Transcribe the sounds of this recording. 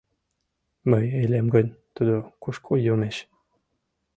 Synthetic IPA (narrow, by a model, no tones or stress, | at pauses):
məjelʲemɡə̆nʲt̪ud̪okuʃkʰojumeɕ